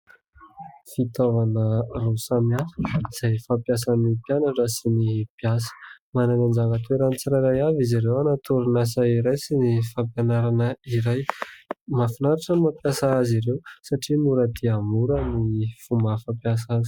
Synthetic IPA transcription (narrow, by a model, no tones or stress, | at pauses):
fit̪ovanərosamaɾz̥ajfapjas̬anipjanaʈ͡ʂasinipjas̬ə̥mananand͡ʒaŋət̪ueɾənit͡siɾajɾajaviziɾewanat̪uɾunas̬aiɾajsinifampjanaɾanəiɾajmafinaɾaʈ͡ʂəmapjasaaziɾewsaʈ͡ʂimuɾəd̪iamuɾənifumafapjas̬azi̥